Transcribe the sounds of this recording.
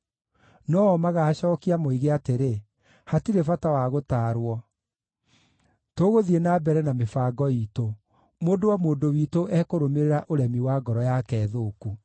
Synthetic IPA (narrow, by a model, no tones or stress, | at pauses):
nɔɔmaɣaːɕɔːkiamoiɣeateɾe | hatiɾefatawaɣotaːɾwɔ | toːɣoðienabɛɾɛnamefaːɡɔiːto | moːdowamoːndowiːtoʔɛkoɾomeɾeɾaʔoɾɛmiwaɡɔɾɔjakɛːðoːku